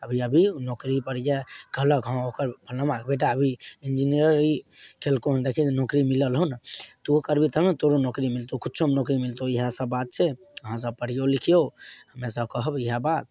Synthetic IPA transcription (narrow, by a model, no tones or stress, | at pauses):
əbʱiəbʱinokɾipəɽd͡ʒakələkɦə̃okəɾpʰəlnəmãkebeʈ̬aəbʱiind͡ʒiniɾəɾikʰelkoɦənd̪ekʰinokɾimiləlɦont̪ookəɾbʱit̪əmẽt̪oɾonokɾimilt̪okʰut̪̚t͡ʃʰomnokɾimilt̪oiɦãsəbːat̪̚t͡ʃʰɛ | əɦãs̬əb̚pəɽ̤ijolikʰijoɦəmesəb̚kəɦəbiɦabat̪̚